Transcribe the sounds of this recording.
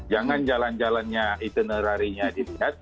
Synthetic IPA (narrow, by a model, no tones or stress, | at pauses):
d͡ʒaŋand͡ʒaland͡ʒalanɲait̪unəɾaɾiɲadiliɦat̪̚